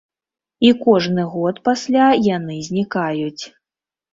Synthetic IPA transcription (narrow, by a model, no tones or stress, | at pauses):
ikɔʐnɨɣɔt̪pasʲlʲajanɨzʲnʲikajut͡sʲ